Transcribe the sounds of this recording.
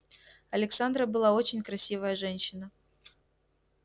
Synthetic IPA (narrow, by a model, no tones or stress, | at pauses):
ɐlʲɪksand̪ɾəbɨlˠao̞t͡ɕɪnʲkɾɐsʲivəjəʐɛnʲɕːɪnə